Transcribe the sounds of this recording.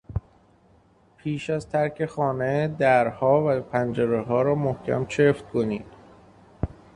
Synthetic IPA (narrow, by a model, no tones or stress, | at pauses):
pʰiːʃæzt̪ʰæɾcʰe̞xɒːned̪æɾhɒːvæpʰænd͡ʒeɾeɦɒːɾɒːmohcʰæ̰mt͡ʃʰeft̪̚kʰoniːd̪̥